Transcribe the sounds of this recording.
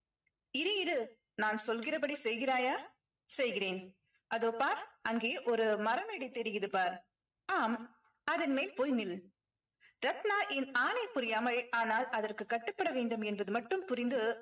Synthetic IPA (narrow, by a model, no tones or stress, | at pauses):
ɪɾɯjɪɾɯ | naːnsɔlɣɪrɐp̬ɐɽisɛjɣɪraːjaː | sɛjɣɪreːn | ʔɐðoːpːaːɾʔɐŋɡeːʔɔɾɯmɐɾɐmeɽɪt̪ːɛɾɪjɪðɯpːaːɾ | aːm | ɐðɐnmeːlpoːjnɪl | ɾɐt̪naːʔɪnaːnɐɪpʊɾɪjaːmɐɻʔaːnaːlɐðɐrkɯkːɐʈːɯpːɐɽɐʋeːɳɖɯmɛnbɐðɯmɐʈːɯmpʊɾɪnd̪ɯ